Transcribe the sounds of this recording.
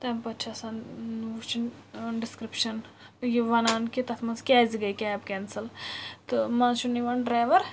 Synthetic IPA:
t̪ɐmpɐt͡ʃʰɐsanut͡ʃʰinɖiskɾipʃɐn | jiʋɐnaːnkit̪ɐt̪ʰmɐnskʲaːziɡɐjkʲɛːbkʲɛːnsɐlt̪ɨmãt͡ʃʰuniʋɐnɖɾaːʋɐɾ

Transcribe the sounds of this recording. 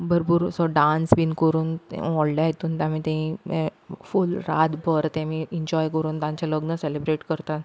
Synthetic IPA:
bəɾbuːɾsɔɖãnsbiːnkəɾuːnt̪ɛ̰ɔɭɖaɦjet̪uːnt̪ãmiːt̪ɛ̃ĩmɛ̃fulɾad̪bʱəɾt̪ɛ̃miiɲd͡ʑɔjkəɾuːnt̪ãɲt͡ɕaləɡnəselebɾeʈkəɾt̪at̪

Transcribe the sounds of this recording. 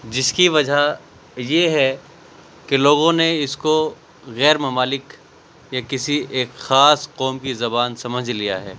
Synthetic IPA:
d͡ʒɪskiʋɐd͡ʒʱa | jeɦɛ | keloːɡõneɪsko | ɣɛːɾmɐmaːlɪk | jakɪsieːkxaːsqɔːmkizɐbaːnsɐməd͡ʒʱlijaɦɛː

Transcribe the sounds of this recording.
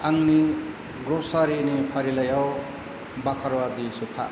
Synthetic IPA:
aŋni | ɡɾosaɾinepʰaɾilajaw | bakʰʌɾwad̪isupʰa̰

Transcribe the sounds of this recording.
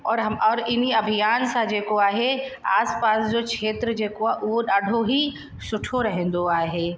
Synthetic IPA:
ɔːɾɦɐmɔːɾɪniɐbʱijaːnsãd͡ʒeːkoaːɦea̰ːspaːsd͡ʒokt͡ʃʃʰeːt̪ɾəd͡ʒeːkoaʔuːɗaːɽʱoɦi | ʃʊʈʰoɾɐɦẽnd̪oaːɦeː

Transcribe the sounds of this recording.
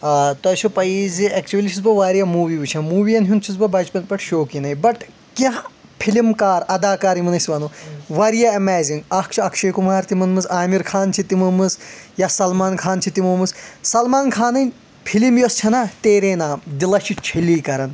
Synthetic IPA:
aːt̪ɐt͡ʃʰupɐiziɐkt͡ʃuʋɐlʲiʃʰizbɐʋaːɾijamuːʋiːʋut͡ʃʰɐmuːʋijɐnɦʲunt͡ʃʰizbɐbɐt͡ʃpɐnpɐʈʰʃoːkinɐjbɐʈ | kʲjaɦ | pʰilimkaːɾɐd̪aːkaːɾimɐnɐsʋɐːnuʋaːɾijaɐmɛːziŋɡɐkt͡ʃʰiɐkʰʃʰeːkumaːɾt̪imɐnmɨzaːmiɾkʰaːnt͡ʃʰit̪imɐmɨsjasɐlmaːnkʰaːnt͡ʃʰit̪imɐmɨssɐlmaːnkʰaːnɐnʲ | pʰilimjost͡ʃʰɐnat̪eːɾeːnaːmd̪ilɐt͡ʃʰit͡ʃʰiliːkɐɾɐn

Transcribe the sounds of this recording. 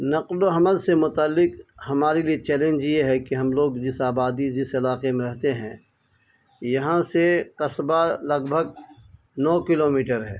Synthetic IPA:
nɐqloɦɐməlsemʊt̪aːlːɪqhɐmaːɾeliet͡ʃɛːlẽnd͡ʒjeɦɛkiɦɐmloːɡd͡ʒɪsaːbaːd̪id͡ʒɪsɪlaːqemẽɾɐɦt̪eɦɛ̰̃ | jɐɦãseqɐsbalɐɡbʱəɡ̚ | nɔːkɪloːmiːʈəɾɦɛ̰ː

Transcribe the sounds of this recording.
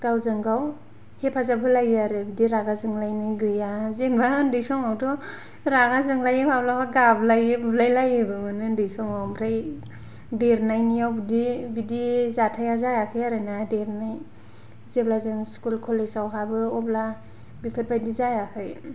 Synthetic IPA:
ɡawzɯŋɡaw | hepʰazabʰɯlajaɾɯbidiɾaɡazɯŋlajniɡɯjazenbandɯjsɔŋawdɔ | ɾaɡazɯŋlajipʰablabaɡablajɯbblajlajɯbɯmanɯndɯjsɔŋawmɾaj | deɾnajnijawbidibidizatʰajazajakʰɯjaɾɯnadeɾnaj | zeblazenskulkʰolezawɦabɯɔbla | bipʰɯt̚bajdizajakʰɯj

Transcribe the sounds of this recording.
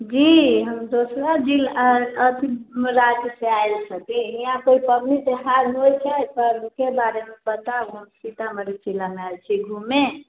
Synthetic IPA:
d͡ʒiɦəmd̪osɾad͡ʒilət̪imɾad͡ʒseajlsəkɛɦijãkoipədnid̪eɦaɾɦojt͡ʃʰɛpəɾukebaɾemebət̪aɡʱumsit̪aməɾet͡ʃilameat͡ʃʰiɡʱume

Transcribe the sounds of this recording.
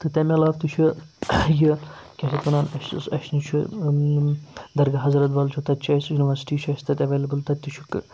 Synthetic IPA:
t̪ɨt̪ɐmʲɐlaːft̪ut͡ʃʰujikʲɐʃit̪mɐnaːnɐʃɨsɐ̰ʃnit͡ʃʰu | d̪ɐɾɡɐɦɐzɾɐt̪ʋɐːlt͡ʃʰut̪ɐt̪t͡ʃʰɐːsjuniʋɐɾsi̥ʈiːt͡ʃʰɐst̪ɐt̪ʲɐʋeːlɐbɨlt̪ɐt̪ʲːit͡ʃʰukɨ̰

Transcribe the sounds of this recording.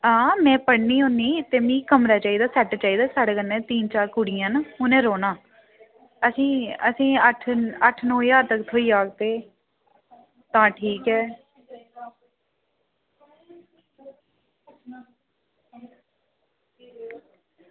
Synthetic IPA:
ãːmɛ̃ːpəɽniːɦõnd̪iːt̪eːmĩːkəmɾaːt͡ʃaːiːd̪aːsɛʈt͡ʃaːiːd̪aːsaːɽekənːɛ̃ːt̪iːnt͡ʃaːɾkʊɽɪjãːnaʊnẽːɾoːnãː | əsĩːəsĩːəʈʰəʈʰnõːjaːɾt̪əkt̪ʰoːiːaːkt̪eː | t̪ãːʈʰiːkɛː

